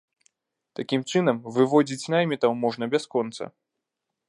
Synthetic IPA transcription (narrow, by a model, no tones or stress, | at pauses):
t̪akʲimt͡ʂɨnɐmvɨvɔd͡zʲit͡sʲnajmʲit̪ɐwmɔʐnɐbʲaskɔnt̪sɐ̰